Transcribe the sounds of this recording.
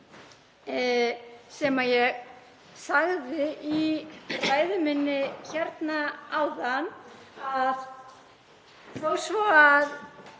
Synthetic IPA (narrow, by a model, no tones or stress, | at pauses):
sɛmajɛɣ | saɣðɪʔivaːjðʏmɪnːɪçɛɾt̪naawðan | að | fowsvoaɾ